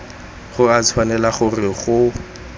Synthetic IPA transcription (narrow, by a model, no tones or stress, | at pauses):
χʊat͡sʰwanɛlaχʊrɪχʊ